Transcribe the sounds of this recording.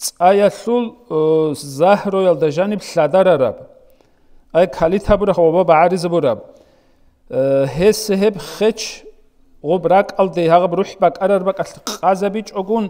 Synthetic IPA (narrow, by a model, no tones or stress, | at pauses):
t͡sʼajaɬul | zahrɔjald̪aʒanibɬad̪aɾaɾa̰b | ajkʰalit̪ʰabuɾaχʁɔbabaʕaɾizabuɾab̚ | ɦɛsɦɛbχɛt͡ʃʰ | ʁɔbrakʼald̪ɛjɦaʁabruħbakʼaɾarbakʼaɬqʼazabit͡ʃʼɔɡun